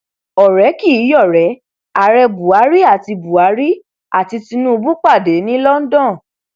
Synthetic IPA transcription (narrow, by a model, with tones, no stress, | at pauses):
ɔ˨ɾɛ˨˦ki˦˨˦jɔ˦˨ɾɛ˨˦ | a˨ɾɛ˧bu˨a˨˦ɾi˦a˦˨ti˧bu˨a˨˦ɾi˦ | a˦˨ti˧ti˧nũ˦u˧bu˦k͡pa˦˨de˨˦nĩ˦lɔ˦n̩˦dɔ̃˦˨